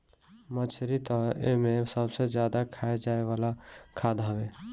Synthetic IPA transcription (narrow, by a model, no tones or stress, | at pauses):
mət͡ʃʰɾit̪əḛmesəbsed͡ʒjad̪akʰaed͡ʒaeʋalakʰad̪ɦəbe